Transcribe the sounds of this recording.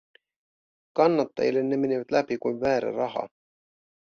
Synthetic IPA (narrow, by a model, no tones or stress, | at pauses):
kɑnːɑt̪ːɑ̰jḭle̞nːemeniʋæt̪læpikujʋvæːɾæ̰rɑɦɑ̰